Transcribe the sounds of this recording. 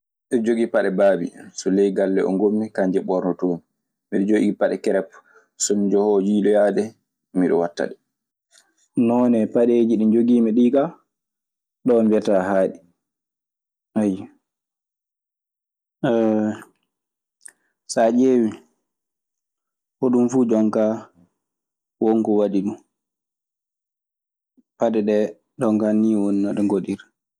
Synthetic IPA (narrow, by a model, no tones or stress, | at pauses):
ɗɛd͡ʒoɡipaɗɛbaːbḭsɔlɛjɡalːɛʔɔ̰ŋɡomːikaɲd͡ʒɛɓɔɾnɔtoːni | miɗɔd͡ʒoɡiipaɗɛkɛɾɛp | sɔnd͡ʒɔhɔd͡ʒiːlɔjaːdɛ | miɗɔ̰watːa̰ɗɛ | nɔnɛpaɗeːd͡ʒiɗind͡ʒoɡiːmɛɗiːɡa | ɗɔbɛtahaːɗi | haja | sad͡ʒeːwi | hoɗumfuːd͡ʒɔŋka | wɔŋkɔwaɗiɗu | paɗɛɗɛ | d͡ʒɔŋkaniwɔnːaɗɔŋɡoɗiɾ